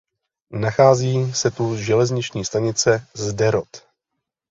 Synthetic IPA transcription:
naxaːziːsɛt̪uʒɛlɛzɲɪt͡ʃɲiːst̪aɲɪt͡sɛzdɛɾot̪

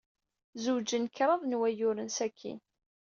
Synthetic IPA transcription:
zud͡ʒənkɾˤɑðˤnwæjʊɾənsækʰːḭn

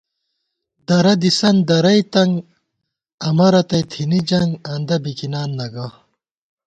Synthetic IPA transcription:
d̪ɐɾɐd̪isɐnd̪ɐɾɐjt̪ɐŋɡ | ɐmɐɾɐt̪ɐjt̪ʰinid͡ʑɐŋɡɐnd̪ɐbikinaːnːɐɡɐ

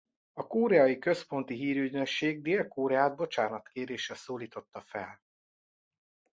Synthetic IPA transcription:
ɒkoːɾɛɒjikø̞spo̞nt̪iɦiːɾyɟnø̞kʃeːɡ̚d̪eːlkoːɾɛaːd̪̚bo̞t͡ʃaːnɒt̪keːɾeːʃɛsoːliːt̪o̞t̪ːɒfɛ̰l

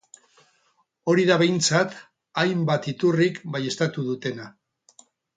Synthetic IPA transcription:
o̞ɾiðaβ̞e̞jnt͡sat̪ | ajmbat̪it̪urikbaje̞st̪at̪uðut̪e̞na

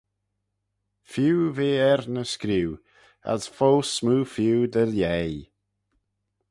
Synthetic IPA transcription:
fjuwveːɛɾnəskɾiw | a̰z̥folsmuːfjuːd̪əljej

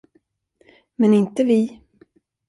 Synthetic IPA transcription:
mɛnɪnt̪əvɪ

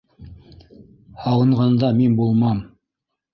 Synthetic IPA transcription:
hɑwɤ̆ɴʁɑnd̪ɑminbulˠmɑm

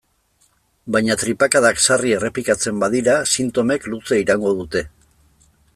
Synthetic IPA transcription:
bajɲat̪ɾipakaðaksarie̞re̞plikat͡se̞mbaðiɾasint̪o̞me̞klut͡seiɾaŋɡo̞ð̞ut̪e̞

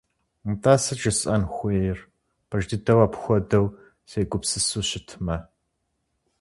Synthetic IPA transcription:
mtʰaːsɐd͡ʒɐɕʼɐnxʷeːjɪr | pʰɐʒdɨdɐwaːpxʷɔdɐw | seːɡʷʊpsɨsuːɕɪtʰmɐ

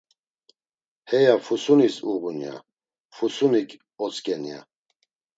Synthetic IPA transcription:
hɛjafusunisuɣunja̰ | fusunikʰʼ | ɔt͡sʼkʼɛnija̰

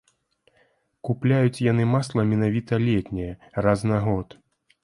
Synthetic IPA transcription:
kuplʲajut͡sʲjanɨmaslˠɐmʲɛnavʲit̪ɐlʲɛt̪ʲnʲɛjɛraznɐɣɔt̪

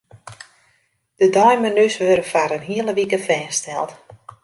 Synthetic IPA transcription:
d̥ədɔjmənysʋøɾəfaɾənɦiəlˠəʋikəfɛːstɛlˠt

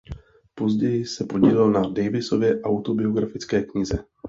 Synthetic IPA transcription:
po̞zɟɛjɪsɛpo̞ɟiːlɛlnadɛjvɪso̞vjɛʔawt̪obɪo̞ɡɾafɪt͡skɛːkɲɪzɛ

